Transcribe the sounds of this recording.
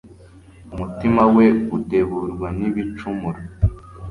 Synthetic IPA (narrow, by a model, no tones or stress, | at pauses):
umutimaweute̞βuɾɡwaniβit͡ʃumuɾo